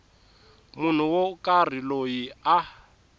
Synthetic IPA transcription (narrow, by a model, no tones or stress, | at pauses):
mun̤uwɔkʼar̤ilojia